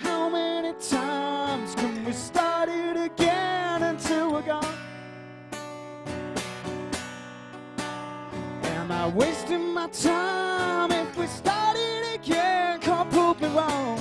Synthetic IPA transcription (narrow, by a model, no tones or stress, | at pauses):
haʊmɛnitʰãɪ̃mz̥kʰɨ̃nwistɑɹɾɪɾɨɡɛ̃nɨ̃ntʰɪlˠwiɡɔn | ɨ̃naɪweɪstɪ̃nmaɪtʰaɪ̃mɪfwistɑɹɾɪɾɨɡɛnkʰɔlpʰopɨɹɔʊ